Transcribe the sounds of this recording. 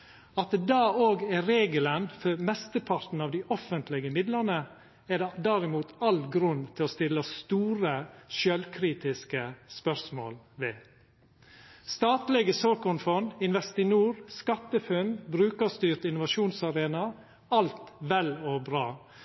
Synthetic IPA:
ɑt̪̚d̪ɑːoːɡæɾeːɡələnfɔɾmɛst̪əpʰɑɾt̪n̩ɑːʋd̪ɪʔɔfənt̪ʰlɪɡəmɪd̪lənə | æd̪d̪æɾɪmuːt̪ɑlɡɾʉnt̪ʰɪloːst̪ɪlːəst̪uːɾəʃœlkʰɾiːt̪ɪskəspœɾsmo̰ːl | ʋɛː | st̪ɑːt̪lɪɡəsoːkʊnfɔnɪnʋɛst̪ɪnuːɾskɑt̪ːəfʉnbɾʉːkɑst̪yːɾt̪ɪnʊʋɑʃuːnsɑɾeːnɑ | ɑlt̪ʋɛlɔbɾɑː

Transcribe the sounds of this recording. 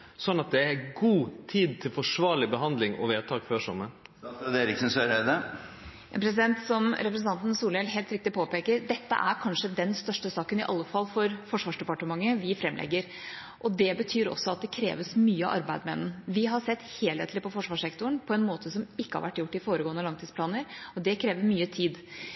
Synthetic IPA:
sɔnːɑt̪̚d̪ɛæɡuːt̪ʰiːd̪̚t̪ʰɪlfɔʂʋɑːɭɪbəɦɑnd̪lɪŋɔ̰ʋeːt̪ʰɑːkføːʂɔmːən | d̪eːɾɪksənsøɾɛd̪ə | pʰɾɛs̬ɪd̪ɛnt̪sɔmɾɛpɾsn̩ɑnt̪n̩suːlɛːlt̪ɦeːlt̪ɾɪk̚t̪ɪpʰoːpeːkəɾd̪ɛt̪ːə̰ʔæɾkʰɑnʂəd̪ɛnst̪œʂʈəsɑːkənɪʔɑlːəfɑlːfɔɾfɔʂʋɑːʂdɖɛpɑʈəmɑŋːəʋɪfɾɛmːlʔɛ̰ɡːəɾ | ʔɔd̪ɛbət̪ʰyːɾɔ̰sːɔɑt̪̚d̪ɛkʰɾḛːʋəsmyːəɑ̰ʔɑ̰ɾbæɪd̪mɛ̰nn̩ʋɪɦɑɾʂɛt̪ːheːleːt̪lɪpʰɔfɔʂʋɑːʂɛkt̪ʊɳpʰɔɛnmoːt̪ʰəsɔmɪkːəhɑ̰ɾʋæ̰ʈːjʊʈːɪfoːɾəɡoːənəlɑŋt̪iːspʰlɑːnəɾɔd̪ɛkʰɾeːʋəɾmyːət̪ʰiːd̪

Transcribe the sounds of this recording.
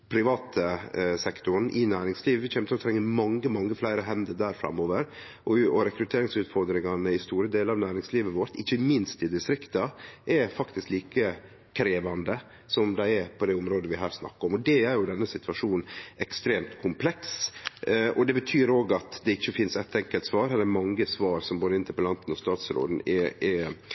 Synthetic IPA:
pʰɾɪʋɑːt̪ʰəsɛkt̪ʊɾn̩ʔɪnæːɾɪŋsliːʋəʋɪçɛmət̪ɪlɔt̪ʰɾɛŋːəmɑŋːəmɑŋːəflæɪɾəɦɛnd̪əd̪æːɾfɾɑ̰mːoːʋəɾ | ʔɔɔɾɛkɾʉt̪ʰeːɾɪŋsʉːt̪fɔɾd̪ɾɪŋɑnəɪst̪uːɾəd̪eːləɑːʋnæːɾɪŋsliːʋəʋɔɾt̪ɪçːəmɪnst̪ɪd̪ɪst̪ɾɪkt̪ɑʔɛfɑkt̪ɪskliːkə | kʰɾeːʋɑnd̪ə | sɔmd̪æɪɛpʰɔd̪ɛʊmɾoːd̪əʋɪɦæːɾsnɑ̰kːəɾɔmɔd̪ɛæɾjʊd̪ɛnːəsɪt̪ʉɑʂuːn̩ɛkst̪ɾeːmt̪kʰʊmpʰlɛks | ɔd̪ɛbət̪ʰyːɾoːɡɑt̪d̪ɛɪçːəfɪnsɛt̪ɛŋkəlt̪sʋɑːɾhɛlɛɾmɑŋːəsʋɑːɾsɔmboːd̪əɪnt̪ʰɪpɔlɑnt̪n̩ɔst̪ɑːt̪sɾo̰ːd̪n̩ɛɛ

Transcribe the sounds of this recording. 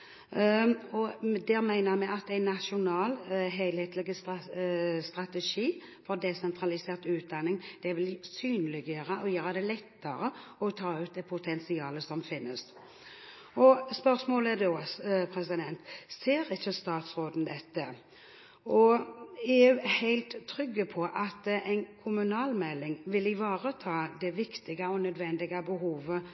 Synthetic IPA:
ɔd̪ɛɾmæɪnəmɛɑt̪æɪnːɑʃʊnɑːlɦeɪlheːt̪lɪɡəs | st̪ɾɑt̪ɛʂiː | fɔɾd̪ɛsɛnt̪ʰɾɑlɪseːʁt̪ʉːt̪̚d̪ɑnːɪŋd̪̥ɛʋɪlsyːnlɪɡjøːɾəʔɔjøːɾɑd̪ɛlɛt̪ːəɾəɔt̪ʰɑːʉːt̪̚d̪ɛpʰʊt̪ʰɛnsɪɑːləsɔmfɪnːəs | ɔspœʁsmoːləɛd̪opʰɾɛsɪd̪ɛnt̪seːɾɪçːəst̪ɑːt̪sʁoːd̪n̩d̪ɛt̪ːə | ɔeːʉːhæɪlt̪ʰːɾʏɡːəpʰɔʔɑt̪ɛɪnkʰʊmʉnɑːlmɛlːɪŋʋɪlɪʋɑːʁət̪ʰɑːd̪ɛʋɪkt̪ɪɡəɔnœd̪ʋɛnd̪ɪɡɑbəɦuːʋə

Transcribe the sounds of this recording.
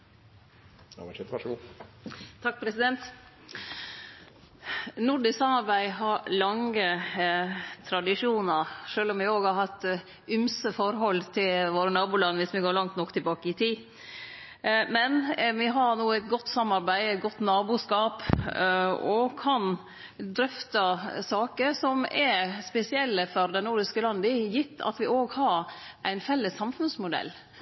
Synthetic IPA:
t̪ʰɑk̚ːpʰɾɛsɪd̪ɛnt̪ | nʊɖɪsɑmːɑɾbæɪɦɑɾlɑŋə | t̪ʰɾɑd̪ɪʂuːnəɾʂøːlɔmʋɛoːɡhɑɾhɑt̪ | ʏmsəfɔɾɦɔlt̪ʰɪlʋoːɾənɑːbuːlɑnːʋɪsʋɪɡoːɾɭɑŋt̪nɔkːt̪ʰɪlbɑːkəɪt̪ʰiː | mɛnʋɪɦɑɾnuːæɪt̪ɡɔt̪ːsɑmːɑɾbæɪt̪ɡɔt̪ːnɑːbuːskɑːp | ɔkʰɑn | d̪ɾʏft̪ɑsɑːkəɾsɔmɛɾspɛsɪɛlːəfɔɾd̪ɛnuɾɖɪskəlɑnd̪əjɪt̪ʰːɑ̰t̪ʋɪoːɡhɑɾʔæɪnfɛlːəsːɑmfʉnsmʊd̪ɛ̰lː

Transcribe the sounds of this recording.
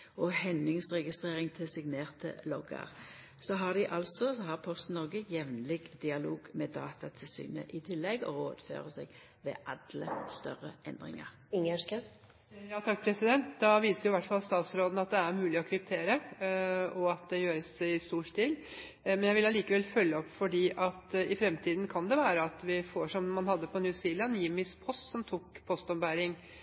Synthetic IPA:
ɔhɛnɪŋsʁɛɡɪst̪ʁeːʁɪŋt̪ʰɪlsɪɡneːʁt̪ʰə̰lɔɡə̰ʁ | sɔɦɑʁd̪ɪʔɑlsɔsɔhɑʁpʰɔst̪nɔɡəjɛʋnlɪɡd̪ɪɑloːɡmeːd̪ɑ̰ːt̪ɑt̪ʰɪlsy̰ːnə̰ʔɪt̪ʰɪlːɛɡɔ̰ʁoːd̪̥fø̰ːʁəsɛɡ | ʋḛːʔɑd̪ləst̪œʁəʔɛnd̪ʁɪ̰ŋə̰ʁ | ɪŋəʂkə | jɑːt̪ʰɑk̚ːpʰɾɛsɪd̪ɛnt̪d̪ɑʋiːsəɾjʊɪʋæʈːfɑlˠst̪ɑːt̪sɾoːd̪n̩ɑt̪̚d̪ɛæɾmʉːlɪɔkʰɾʏp̚t̪ʰeːɾə | ɔɑt̪̚d̪ɛjøːɾəsæɪst̪uːʂt̪iːl | mɛnjæɪʋɪlɑliːkəʋɛlfœlːəɔpːfɔɖiːʔɑt̪ɪfɾɛmt̪ʰiːd̪n̩kʰɑnd̪ɛʋæːɾəɑt̪ʋɪfoʂɔmːɑnhɑd̪ːəpʰɔnjʉsiːlɑniːmɪspʰɔst̪sɔmt̪ʰuːkpʰɔst̪ɔmbæːɾɪŋ

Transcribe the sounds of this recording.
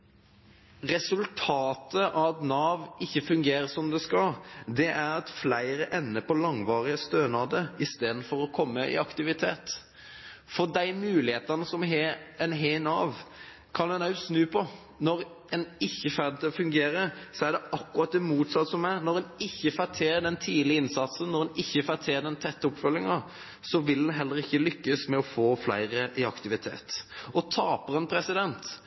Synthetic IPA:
ʁɛsʉlt̪ʰɑːt̪ʰəʔɑtnɑːʋɪçːəfʉŋɡeːɾəsɔmd̪ɛskɑld̪ɛʔæɾɑt̪flæɪɾəʔɛnːəpʰɔlɑŋʋɑːʁɪəst̪øːnɑːd̪əɪst̪eːd̪n̩fɔɾɔkʰɔmːəʔɪ̰ɑkt̪ɪʋɪt̪ʰeːt̪ | fɔd̪æɪmʉːlɪheːt̪ɑnəsɔmɦɛɛnɦeɪnɑːʋ | kʰɑnɛnɑʉsnʉːpʰɔ | nɔɾ | ɛnɪçːəfæɾd̪ət̪ɔfʉŋɡeːɾəsɔæɖ̪ɛɑkːʉɑt̪̚d̪ɛmuːt̪sɑt̪ːsɔmæɾnɔɾɛnɪçːəfæt̪ʰeːɖ̪ɛnt̪ʰiːd̪lɪəɪnsɑt̪sənnɔʁɛnɪçːəfæːt̪ʰɛːd̪ɛnt̪ʰɛt̪ːəɔpfœlːɪŋɑ | sɔʋɪld̪ɛnɦɛlːəɾɪçːəlʏkːəsmɛɔfoːflæ̰ɪɾəʔɪɑ̰kt̪ɪʋɪt̪ʰḛːt̪ɔt̪ʰɑːpəɾɛnpʰɾɛsɪd̪ɛnt̪

